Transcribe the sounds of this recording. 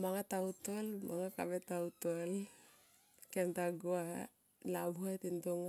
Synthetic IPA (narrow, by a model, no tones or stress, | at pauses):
maŋatautolmaŋakabetautol | kentaɡoa | labʱuat̪intoŋa